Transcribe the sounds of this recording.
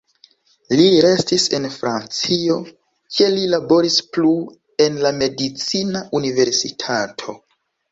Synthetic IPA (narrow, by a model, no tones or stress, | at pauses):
liɾe̞stise̞nfɾant͡sio̞ | ke̞lilabo̞ɾisplu | e̞nlame̞dit͡sinaʔunive̞ɾsitʰatʰo̞